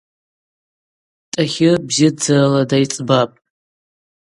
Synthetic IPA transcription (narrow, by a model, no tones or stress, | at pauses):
tʼaχʲɪbzɪd͡zɨraladajt͡sʼbapʼ